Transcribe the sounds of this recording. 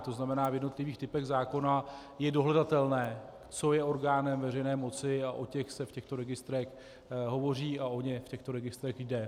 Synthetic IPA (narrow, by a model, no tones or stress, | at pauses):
t̪o̞znamɛnaːvjɛdno̞t̪lɪviːxt̪ɪpɛɣzaːko̞na | jɛdo̞ɦlɛdat̪ɛlnɛː | t͡so̞jɛo̞ɾɡaːnɛmvɛr̝ɛjnɛːmo̞t͡sɪaʔo̞cɛxsɛfcɛxt̪o̞ɾɛɡɪst̪ɾɛx | ɦo̞vo̞r̝iːao̞ɲɛfcɛxt̪o̞ɾɛɡɪst̪ɾɛxdɛ